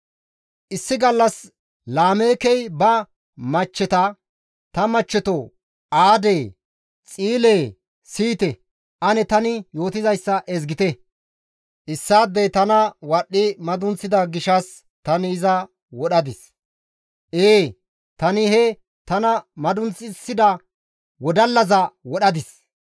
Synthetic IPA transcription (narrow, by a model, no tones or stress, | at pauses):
ʔɪsːɪɡɐlːɐs | laːme̞ːkɛjbɐ | mɐt͡ʃːɛt̪ɐ | t̪ɐmɐt͡ʃːɛt̪o | ʔaːd̪eː | t͡sʼiːleː | siːt̪ɛ | ʔɐnɛt̪ɐnɪjo̞ːt̪ɪzɐjsːɐʔɛzɡɪt̪ɛ | ʔɪsːaːd̪ːɛjt̪ɐnɐwɐɗːɪmɐd̪ʊnt͡sːɪd̪ɐɡɪʃɐs | t̪ɐnɪːzɐ | wɔɗɐd̪ɪs | ʔeː | t̪ɐnɪɦɛ | t̪ɐnɐmɐd̪ʊnt͡sɪsːɪd̪ɐ | wɔd̪ɐlːɐzɐwɔɗɐd̪ɪs